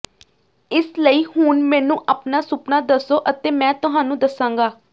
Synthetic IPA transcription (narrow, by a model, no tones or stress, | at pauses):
ɪsləiːhʊnmɛ̃ːnũːʔaːpnaːsʊpnaːd̪əsoːʔət̪eːmɛ̃ːt̪ʊɦaːnũːd̪əsãːŋɡaː